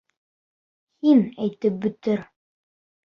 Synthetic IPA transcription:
hinæjt̪ɘp̚bɵ̆t̪ɘɾ

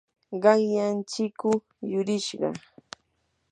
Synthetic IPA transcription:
ɢɑŋjant͡ʃɪkʊ | jʊɾɪʃɢɑ̰

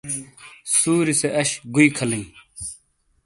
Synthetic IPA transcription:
suːɾiseʔɐɕɡuikʰɐlĩŋ

